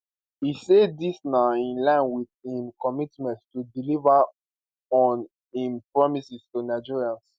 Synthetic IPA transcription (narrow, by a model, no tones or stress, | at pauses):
isedisnaĩnlãɪ̃nwiðhĩmkɔmitmɛ̃ntstudilivə | ɔ̃n | ĩmpɹɔmisistunaɪd͡ʒiɹiãns